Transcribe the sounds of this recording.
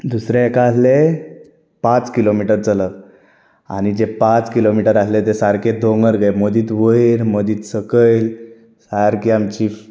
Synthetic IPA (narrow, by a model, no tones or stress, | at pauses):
d̪usɾeːkaːsle | pãt͡skilomiʈəɾt͡sələk | a̰ñid͡ʑepat͡skilomiʈəɾaslet̪esaɾked̪ʱoŋɡəɾɡəjməd̪iːt̪ʋəiɾməd̪iːt̪səkəjl | saɾkiamt͡ɕi